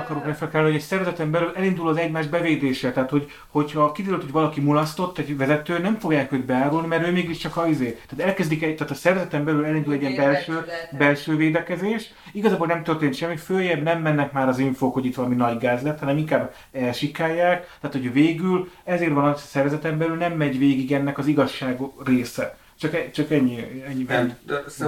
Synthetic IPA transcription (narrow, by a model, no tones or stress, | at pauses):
kɒɾokɾɛkfɛlkt̪aːlnihoɟɛsɛrvɛzɛt̪ɛmbɛlylɛlind̪ulɒzɛɟmaːʒbɛveːd̪eːʃɛt̪ɛɦaːt̪ho̞ɟ | ho̞chɒkid̪eːɾylt̪hoɟvɒlɒkimulɒst̪o̞t̪ːɛɟvɛzɛt̪øːnɛɱfo̞ɡjaːkøːd̪bɛaːɾulnimɛɾøːmeːɡiʃt͡ʃɒkɒizeːt̪ɛaːt̪ɛlkɛzd̪ikɛt̪aːt̪ɒsɛrvɛzɛt̪ɛmbɛlylɛlind̪ulɛɟiɛmbɛlʃøːbɛlʃøːveːd̪ɛkɛzeːʃ | iɡɒzaːbolɛmt̪ørt̪eːnt̪ʃɛmːiføːjɛbnɛmːɛnːɛkmaːɾɒziɱfoːkho̞ɟit̪ʋɒlɒminɒɟɡaːzlɛt̪hɒnɛmiŋkaːb | ɛlʃikːaːjːaːkt̪aːt̪hoɟøveːɡylɛzeːrʋɒnɒsɛrvɛzɛt̪ɛmbɛlylnɛmːɛɟveːɡiɡɛnːɛkɒziɡɒʃːaːɡreːsɛ | t͡ʃɒkɛt͡ʃɒkɛɲːiɛɲːɛ